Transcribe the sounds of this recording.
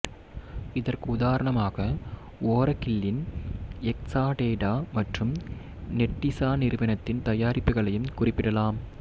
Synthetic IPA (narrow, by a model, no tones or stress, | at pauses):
ɪðɐrkɯʊðaːɾɐɳɐmaːɣɐ | oːɾɐkɪlːɪnɛksaːʈeːɖaːmɐʈrɯm | nɛʈːɪsaːnɪɾɯʋɐnɐt̪ːɪnt̪ɐjaːɾɪpːɯɣɐɭɐjɯmkʊrɪpːɪɽɐlaːm